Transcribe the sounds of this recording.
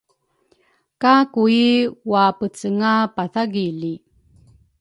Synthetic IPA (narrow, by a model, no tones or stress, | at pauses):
kakuiwapət͡səŋapaθaɡili